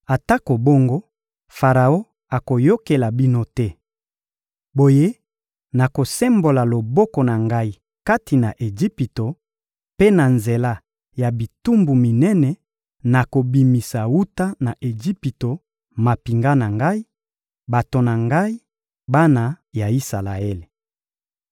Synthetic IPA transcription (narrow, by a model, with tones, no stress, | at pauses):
a˨ta˦ko˨bo˦ŋɡo˦ | fa˨ʁa˨o˦ | a˨ko˨jo˦ke˨la˨bi˦no˦tɛ˦ | bo˨je˦ | na˨ko˨sɛ˦mbo˨la˨lo˨bɔ˦kɔ˨na˨ŋɡa˦i˦ | ka˦ti˨na˨ʔe˨d͡ʒi˦pi˨to˨ | pe˦na˨nze˨la˦ | ja˨bi˨tu˦mbu˨mi˨nɛ˦nɛ˨ | na˨ko˨bi˨mi˨sa˨wu˦ta˦na˨ʔe˨d͡ʒi˦pi˨to˨ | ma˨pi˨ŋɡa˦na˨ŋɡa˦i˦ | ba˨to˨na˨ŋɡa˦i˦ | ba˦na˨ja˨i˦sa˨la˨e˦le˨